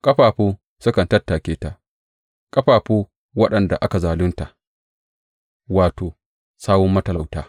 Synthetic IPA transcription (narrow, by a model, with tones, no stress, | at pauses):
kʼɐ˦ɸaː˨ɸoː˦ | sʊ˦kɐ˨ntɐ˦tːaː˨kʲeː˦ta˨ | kʼɐ˦ɸaː˨ɸoː˦ | wɐ˦ɗɐ˨nda˨ʔa˦ka˨zaː˨lʊ˦nta˨ʔ | waː˨toː˨ | saː˦wɔ˦mːɐ˦tɐ˨la˨wtaː˦